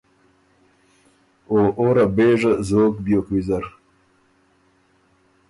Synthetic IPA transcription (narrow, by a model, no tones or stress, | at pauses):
oʔoɾabeːʐəzoːkbjokwizaɾ